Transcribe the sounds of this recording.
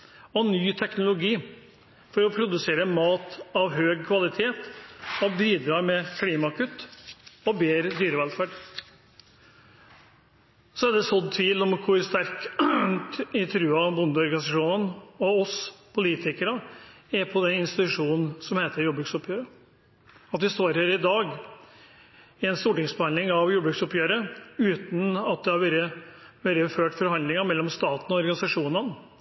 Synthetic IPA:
ɔnyːt̪ʰɛknʊlʊɡiː | fɔɾɔpʰɾʊd̪ʉseːɾəmɑːt̪ɑʋɦøːɡkʰʋɑlɪt̪ʰeːt̪ɔbiːd̪ɾɑːɾmɛkʰliːmɑkʰʉt̪ːɔbeːɾəd̪yːɾəʋɛlfæːɖ | sɔæd̪ɛsɔd̪t̪ʰʋiːlɔmkʰʊɾst̪æɾk | ɪt̪ʰɾʉːɑbʊnd̪əɔɾɡɑnɪsɑʂuːnənɔɔspʰʊliːt̪ʰɪkəɾə | æɾpʰɔd̪ɛnɪnst̪ɪt̪ʉʂuːnn̩sɔmheːt̪əɾjuːbɾʉksɔpjøːɾə | ɑt̪ʋɪst̪oːɾhøːɾɪd̪ɑːɡ | ɪɛnst̪uːʈɪŋsbəhɑnd̪lɪŋɑʋjuːbɾʉksɔpjøːɾəʉːt̪n̩ɑt̪̚d̪ɛhɑɾʋɛɾəʋeɾəføːʈfɔɾhɑnd̪lɪŋəmɛlːɔmst̪ɑːt̪n̩ɔɔɾɡɑnɪsɑʂuːnən

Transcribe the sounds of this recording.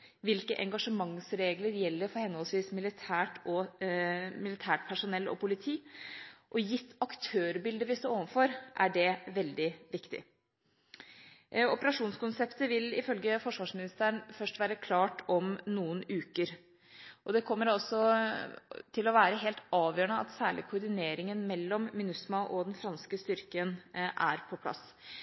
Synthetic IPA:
ʋɪlkəʔɛŋɡɑʂəmɑŋsɾeːɡləɾjɛlːəɾfɔɾhɛnːɔlsʋiːsmɪlɪt̪ʰæːʈɔ | mɪlɪt̪ʰæːʈ̚pʰæʂʊnɛlːɔ̰pʊlɪt̪ʰiːʔɔjɪt̪ːɑkt̪ʰøːɾbɪld̪əʋɪst̪oːɾoːʋənfɔɾʔæɖɛʋɛld̪ɪʋɪkt̪ɪ̰ | ɔpəɾɑʂuːnskʊnsɛpt̪əʋɪlɪfœlɡəfɔʂʋɑːʂmɪnɪst̪əəɳfœʂʈʋæːɾəkʰlɑːʈʰɔmnuːənʉːkəɾ | ʔɔd̪ɛkʰɔmːəɾɑlsɔ | t̪ʰɪlɔʋæːɾəɦeːlt̪ɑːʋjøːɳəɑ̰t̪sæːɭɪkʰʊɾd̪ɪneːɾɪŋənmɛlːɔmːɪnʉsmɑʔɔd̪ɛnfɾɑnskəst̪ʏɾkənʔæ̰ɾpʰɔpʰlɑ̰s

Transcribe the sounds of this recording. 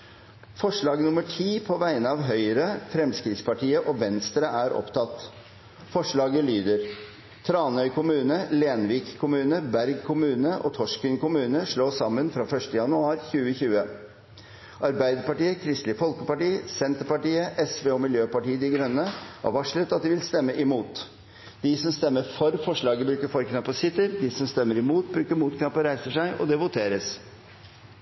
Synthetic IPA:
fɔʂɭɑːɡnʊməʈʰiːpʰɔʋæɪnəɑːʋɦœʏəɾəfɾɛmskɾɪt̪spɑʈiːəʔɔʋɛnst̪ɾəʔæɾʔɔ̰pt̪ʰɑt̪ː | fɔʂɭɑːɡəlyːd̪əɾ | t̪ʰɾɑːnœʏkʰʊmʉːnəleːnʋiːkkʰːʊmʉːnəbæɾɡkʰʊmʉːnəʔɔ̰t̪ʰɔʂkəŋkʊmʉːnəʂɭoːsɑmːənfɾɑːfœʂʈəjɑnʉɑːɾçʉːəçʉːə | ʔɑɾbæɪd̪əɾpɑʈiːəkʰɾɪst̪lɪfɔlkəpɑʈiːsɛnt̪əɾpɑʈiːəʔɛsʋeːɔmɪljøːpɑʈiːəd̪ɪɡɾœnːəʔɔ̰ʋɑʂɭət̪ɑt̪̚d̪ɪʋɪlst̪ɛmːəʔɪmuːt̪ | d̪̥ɪsɔmst̪ɛmːəɾfɔɾfɔʂɭɑːɡəbɾʉːkəfɔɾkʰnɑpːɔsɪt̪əɾd̪ɪsɔmst̪ɛmːəɾɪmuːt̪̚bɾʉːkəɾmuːt̪kʰɑpəɾæɪsəʂæɪʔɔ̰d̪ɛʋʊt̪ʰeːɾəs

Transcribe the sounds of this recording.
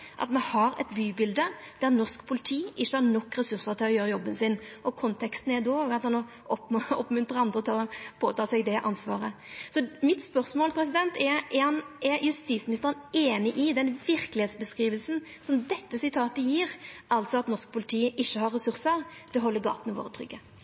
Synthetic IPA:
ʔɑ̰t̪mɛhɑɾɛ̰t̪byːbɪld̪əd̪̥æʁnɔʁskpʰʊlɪt̪ʰiːʔɪʃːəhɑɾnɔkːɾɛsʉɾsəʁt̪ʰɪlɔjøːɾəjɔbːənsɪnʔɔkʰɔnt̪ʰɛkst̪n̩æɾd̪oɡɑt̪hɑnɔ | ʔɔpɔ̰pmʉnt̪ɾəɑnd̪ɾət̪ʰɪlɔpʰoːt̪ʰɑːsɛɡd̪ɛʔɑnsʋɑ̰ːʁəsɔmɪt̪spœʁsmoːlpʰɾɛs̬ɪd̪ɛnt̪ɛɛhɑnɛɾjʉst̪iːt̪smɪnɪst̪əɾəneːnɪʔɪd̪ɛnʋɪɾkəlɪheːt̪sbəskɾiːʋəlsn̩ | sɔmd̪ɛt̪ːəsɪt̪ʰɑːt̪əjiːʁʔɑlt̪sɔɑt̪nɔʁʂk̚pʰʊlɪt̪ʰiːəʔɪʃːəhɑɾːɛsʉʁsəɾt̪ʰɪlɔɦɔlːəɡɑ̰ːt̪nɔʋo̰ːɾət̪ʰɾʏ̰ɡːə

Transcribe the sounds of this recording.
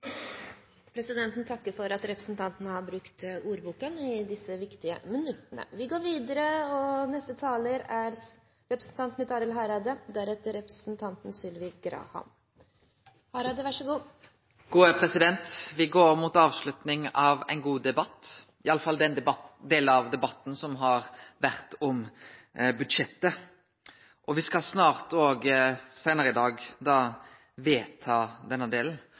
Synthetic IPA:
pʰɾɛsɪd̪ɛnt̪n̩t̪ʰɑkːəɾfɔɾɑt̪ɾɛpɾəsn̩t̪ɑnt̪ənəhɑɾbɾʉkt̪uːɾbuːkənɪd̪ɪsːəʋɪkt̪ɪə̰mɪnʉt̪ːənə̰ʋɪɡoːɾʋiːd̪əɾəɔnɛst̪ət̪ʰɑːləɾæɾ | ɾɛpɾəsn̩t̪ɑnt̪mɪt̪ɑːɾɪlɦɑɾɑd̪əd̪æɾɛt̪əɾɛpɾəsnt̪ʰɑnt̪n̩sʏlʋɪɡɾɑ̰ːhɑ̰m | hɑɾɑːd̪əʋɑʂəɡuː | ɡ̥uːəpʰɾɛsɪd̪ɛnt̪ʋɪɡoːɾmʊt̪ɑːʋslʉt̪nɪŋɑʋæ̰ɪnɡuːd̪ɛbɑt̪ː | ɪɑlːəfɑld̪ɛnd̪eːləɑʋd̪ɛbɑt̪ːn̩sɔmɦɑɾʋæʁt̪ɔm | bʉd̪ʂɛt̪ːə | ʔɔʋɪskɑsnɑːʁt̪oːɡsæɪnəɾəɪd̪ɑːɡd̪ɑː | ʋeːt̪ʰɑːd̪ɛnːəd̪eːln̩

